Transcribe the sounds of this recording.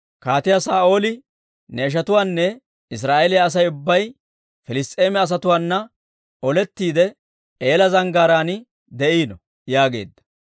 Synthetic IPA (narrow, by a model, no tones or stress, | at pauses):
kaːt̪ɪjasaːʔo̞ːlɪ | nɛːʃ̬ɐt̪ʊwaːnːɛ | ɪs̬ɾaːʔɛlɪjaːs̬ɐjʊbːɐj | fɪlɪst̪ʼeːmɛɐs̬ɐt̪ʊwaːnːɐ | ʔɔlɛt̪ːiːd̪ɛ | eːlɐzɐŋɡaːɾaːnɪ | d̪ɛʔiːnɔ | jaːɡe̞̰ːd̪ːɐ̥